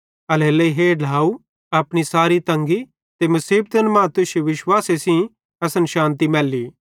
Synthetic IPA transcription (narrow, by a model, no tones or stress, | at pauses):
ɐleːleiɦeːlaːu | ɐpɽ̃isaːɾit̪ɐ̃ŋɡi | t̪emɐsiːb̚t̪ɐnmãːt̪ʊʃeʋɪʃwaːsesĩ | ɐsənʃãːnt̪imɛːlːiː